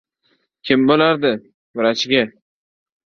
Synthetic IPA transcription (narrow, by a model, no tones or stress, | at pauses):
kʲʰɪmbolaɾd̪ɪ | bɪɾat͡ʃʰɪɡʲa